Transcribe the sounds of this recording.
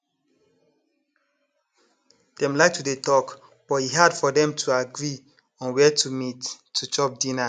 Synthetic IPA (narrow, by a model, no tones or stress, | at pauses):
d̥ɛ̃mlaɪk̚tʰudetɔk | b̥ɔthiɦadfɔdɛ̃mtʰuaɡɹi | ɔ̃nwɛtʰumitː | ut͡ʃɔp̚dĩna